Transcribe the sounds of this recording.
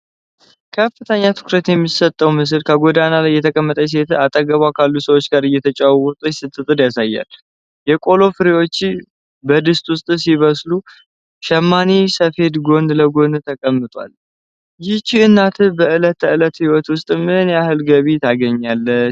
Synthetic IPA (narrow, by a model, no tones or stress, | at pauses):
kʰəfːɨt̪ʰəɲːat̪ʰɨ̥kʰɾət̪jɛmːisət̪ʼːəwmɨs̬ɨlkʰəɡo̞d̪analajːɛt̪ʰəkʼəmːət̪ʼəs̬et̪at̪ʼəɡəβakʰalːusəwo̞t͡ʃːɡaɾɨjːɛt̪ʰət͡ʃʼawwwʊt̪ʼsɨt̪ʼːɨt̪ʼɨd̪jasajːa̰l | jɛkʼo̞lo̞fɨɾewo̞t͡ʃːɪ | bəd̪ɨst̪ʼwʊst̪ʼsiβəslu | ʃɛmːanisəfe̞d̪ɡo̞nd̪ləɡo̞nd̪t̪ʰəkʼəmːɨt̪ʼwa̰l | jɪt͡ʃɪɨnːat̪ʰɨbəɨlət̪ʰːəɨlət̪hiwɔt̪wʊst̪ʼmɨnjahɨlɡəβit̪ʰaɡəɲːalːə